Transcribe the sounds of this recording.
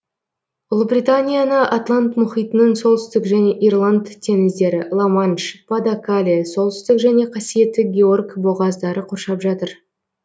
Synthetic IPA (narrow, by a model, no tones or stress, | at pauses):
ʊlˠbrʲijt̪anʲijanəʔat̪lˠant̪mʊχijt̪ənəɴsolˠt̪ʏ̥st̪ɪkʒæne̞ʔijrlˠant̪ʰʲːe̞ŋɪzd̪e̞ɾɪlˠomanʃpad̪akalʲiso̞lˠt̪ʏ̥st̪ɪkʒæne̞qʰɑsije̞t̪ːɪɡʲe̞orɡbo̞ʁɑzd̪ɑɾəqʰorʃɑpʒɑt̪əɾ